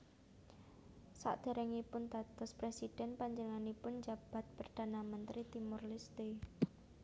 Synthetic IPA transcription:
sa̰ʔd̪̥a̤ɾɛŋipʊnd̪a̤t̪ʊspɾesid̥ɛnpaɲd͡ʒəŋanipʊnd͡ʒab̥a̤t̪̚pərd̪̥a̤namənt̪ɾit̪imʊrlɪst̪e

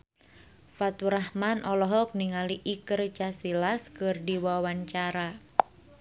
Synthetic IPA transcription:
fat̪uɾahmanʔɔlɔɦɔk̚niŋaliʔikərt͡ʃasilaskɨrdiwawaɲt͡ʃaɾa

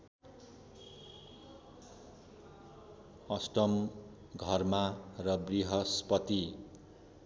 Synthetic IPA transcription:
ʌsʈʌm | ɡʱʌrmarʌbriɦʌspʌt̪i

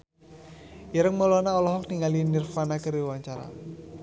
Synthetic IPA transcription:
iɾəŋmɔlɔnaɔlɔɦɔk̚niŋalinirfanakəɾiwaɲt͡ʃaɾa̰

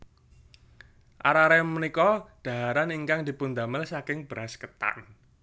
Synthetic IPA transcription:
ʔa̰ɾaɾɛmənikɔd̥aɦaɾaniŋkaŋdi̤pund̪amɪlsakɪŋb̥əɾaskət̪a̰n

